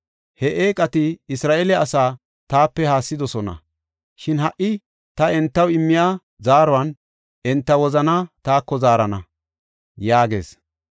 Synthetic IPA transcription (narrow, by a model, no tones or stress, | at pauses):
hɛʔeːkʼɐt̪ɪɪsɾaːʔɛlɛɐsaː | t̪aːpːɛhaːsːɪd̪ɔsɔnɐ̰ | ʃɪnhɐʔɪ | t̪ɐɛnt̪ːɐwɪmːɪjaː | zaːɾɔɐn | ɛnt̪ːɐwɔzɐnaːt̪aːkːɔzaːɾɐnɐ | jaːɡe̞̰ːs